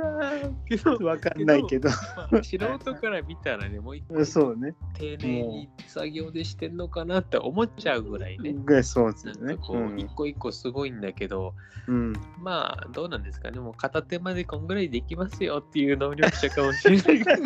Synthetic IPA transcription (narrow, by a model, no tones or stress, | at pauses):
aked̪oβakannːaike̞d̪omaːɕiɾoːt̪o̞kaɾamʲit̪aɾa̰ne̞mo̞ːikːsoːnet̪ʰe̞ːneɲːisaɡʲo̞ːd̪e̞ɕi̥t̪e̞nɯnːo̞kanat̪ːe̞̰ʔo̞̰mo̞t͡ɕaɯ̟ɡɯ̟ɾa̰inesoːesnãnakoːikːo̞ikːo̞sɨɡo̞ĩnd̪ake̞d̪õ̞ | ma̰ːd̪o̞ːnãnd̪e̞sɨ̥ka̰nemo̞ːkat̪at̪e̞mad̪e̞kõ̞ŋɡɯ̟ɾaid̪e̞kʲimasɨjo̞t̪ːe̞jɯ̟ːno̞ːɾʲokɯ̥ɕakamo̞ɕina